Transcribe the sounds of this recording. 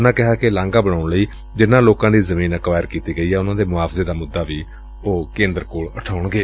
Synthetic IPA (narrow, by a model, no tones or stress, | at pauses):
nãːkɪɦaːkelãːŋɡaːbəɽ̃aːʊɳləiː | d͡ʒɪnːãːloːkãːd̪iːzəmĩːnəkʋaːɪəɾkiːt̪iːɡəiːɛːʊnãːd̪eːmʊaːpʰzeːd̪aːmʊd̪ːaːʋiː | oːkẽːnd̪əɾkoːɭəʈʰaːʊɳɡeː